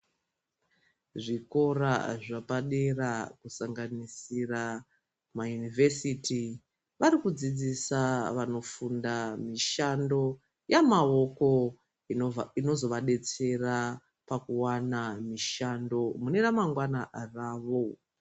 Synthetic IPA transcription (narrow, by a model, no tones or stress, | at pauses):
ʐiko̞ɾa̰ʐapaɗerakusaŋɡanisira | majunivesiti | ʋaɾikud͡zid͡zisaʋano̞fundamiʃando̞ | jamao̞ko̞ | ino̞zo̞ʋaɗe̞t͡se̞ra | pakuwanamiʃando̞mune̞ramaŋɡwanaraːʋo̞